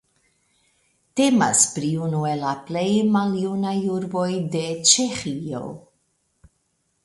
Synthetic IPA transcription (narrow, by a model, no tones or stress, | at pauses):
t̪ema̰spɾiunuelaplejmaljunajuɾbojd̪et͡ʃexio̰